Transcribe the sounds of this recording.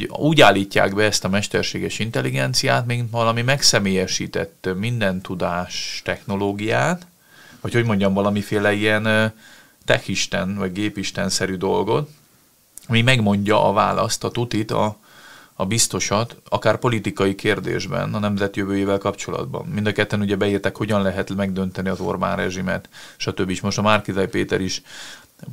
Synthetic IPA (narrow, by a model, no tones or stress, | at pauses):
uːɟaːlːiːcːa̰ːɡbɛɛst̪ɒmɛʃt̪ɛrʃeːɡɛʃint̪ɛlːiɡɛnt̪sijaːt̪miʋɒlɒmimɛksɛmeːjɛʃḭːt̪ɛ̰t̪ːmind̪ɛnt̪ud̪aːʃt̪ɛxno̞loːɡijaːt̪ | vɒcho̞ɟmo̞ɲɟɒɱvɒlɒmifeːlɛiɛn | t̪ɛxiʃt̪ɛnvɒɟɡeːpiʃt̪ɛnsɛɾyd̪o̞lɡo̞t̪ | ɒmimɛɡmo̞ɲɟɒʔɒva̰ːlɒ̰st̪ɒt̪ut̪it̪ɒ̰ː | bist̪o̞ʃɒt̪ɒkaːrpo̞lit̪ikɒjikʰeːrd̪ḛːʒbɛ̰nɒnɛmzɛt̪jøvøːjeːvɛlkɒpt͡ʃo̞lɒ̰d̪bɒ̰mmind̪ɒkɛt̪ːɛnuɟɛbɛiːrt̪ɛkho̞ɟɒnlɛɦɛt̪mɛɡ̚d̪ø̞nt̪ɛniɒzo̞̰rba̰ːnrɛʒimɛ̰t̪ʃɒt̪øbːiʃmo̞ʃt̪ɒmarkizɛjpeːt̪ɛɾiʃ